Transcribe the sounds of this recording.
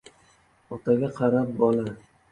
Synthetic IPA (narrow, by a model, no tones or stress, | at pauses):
ɒt̪ʰaɡʲaqʰɑɾap̚bɒlˠa